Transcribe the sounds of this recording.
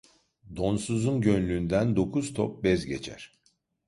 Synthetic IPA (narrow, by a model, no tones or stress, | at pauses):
d̪o̞nsuzunɟønlʲyːnd̪ænd̪o̞kʰuz̥t̪ʰɔp̚bɛzɟet͡ʃʰæ̰ɾ̥